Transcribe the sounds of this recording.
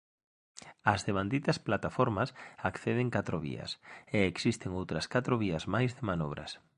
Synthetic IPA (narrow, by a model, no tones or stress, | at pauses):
ɐzðeβand̪it̪ɐsplat̪afɔɾmɐsakθeð̞ɪŋkat̪ɾoβḭɐ̰seːksist̪ɪŋowt̪ɾɐskat̪ɾoβiɐzmajzðɪmanɔβ̞ɾɐ̰s